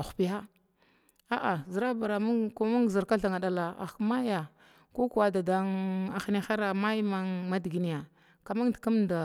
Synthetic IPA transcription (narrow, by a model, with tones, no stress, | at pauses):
a˨xu̥˨pi˦ɦa˦ | a˦ʔa˨zə˨ɾa˦ba˨ɾa˨m˦ko˦mu˦ŋ˨zi˨ɾka˦ɬa˨ŋa˨da˨la˨a̰˨kma˦ja˨ | ko˦ku˨wa˦da˨da˦ŋa˨xni˦xa˦ɾa˨ma˦jma˦ŋma˦di˨ɡi˨ni˨a˨ | ka˨ma˦ŋdka˦mda˨